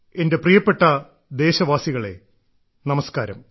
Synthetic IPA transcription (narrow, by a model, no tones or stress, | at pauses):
e̞nde̞prijɐpːe̞ʈːɐ | d̪e̞ːɕɐʋaːsiɣɐɭe̞̰ | nɐmɐskaːɾɐ̰m